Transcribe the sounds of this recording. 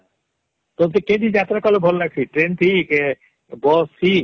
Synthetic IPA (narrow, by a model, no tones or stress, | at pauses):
t̪ot̪eked̪id͡ʑat̪ɾakɔlobʱɔlɾaɡ̚t͡ɕʰiʈɾent̪ʰik | bɔsi